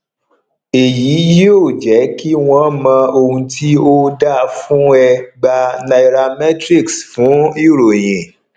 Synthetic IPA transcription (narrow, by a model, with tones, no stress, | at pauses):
e˨ji˨˦ji˦o˦˨d͡ʒɛ˨˦ki˦w̃ɔ̃˦mã˧o˧hũ˧tʰi˦o˦da˦˨fũ˦ɛ˧ɡ͡ba˧na˧i˧ɾa˧mɛ˦tɾi˦˨ksfũ˨˦i˦˨ɾo˨j̃ɛ̃˨